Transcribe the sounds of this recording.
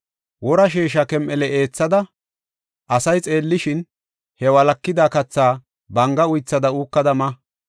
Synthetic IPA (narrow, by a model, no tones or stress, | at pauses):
wɔɾɐʃ̬eːʃ̬ɐkɛmʔɛlɛeːt͡sːɐd̪ɐ | ʔɐsɐjt͡sʼe̞ːlːɪʃɪn | hɛwɐlɐkːɪd̪aːkɐt͡sːaː | bɐŋɡɐʊjt͡sːɐd̪ɐuːkːɐd̪ɐmɐ